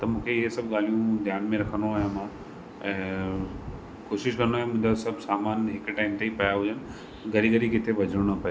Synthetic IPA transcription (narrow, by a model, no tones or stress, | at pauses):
t̪ɐmũːkʰeɪɦesɐb̚ɠaːlijũd̪ʱjaːnmẽɾɐkʰənoaːɦemãː | ɛ̃ː | koːʃɪʃkɐnoaːɦẽmʊ̃ːd͡ʑasɐbʱsaːmaːnɦɪkʈaːɪmt̪eipɐjaɦʊd͡ʑənɪ̆ | ɡʱɐɾiɡəɾikɪt̪ʰebʱɐd͡ʑʱəɽɽ̃əpɐje